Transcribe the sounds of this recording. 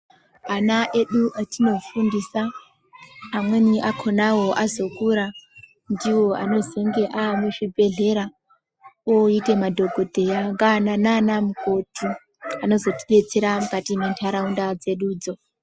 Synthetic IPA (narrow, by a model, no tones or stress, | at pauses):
anaʔe̞ɗuʔatino̞fundisaː | mwe̞niʔakʰo̞nawo̞ʔazo̞kuɾa | ndiwo̞a̰no̞ze̞ŋɡe̞ʔaːmuʐibʱe̞ɮe̞ɾa | oite̞madʱo̞ɡʱo̞d̥ʱe̞jaŋɡanananamuko̞tʰu | ano̞zo̞tiɗe̞t͡seɾamukatimentʰaɾaundad͡ze̞ɗuːd͡zo̞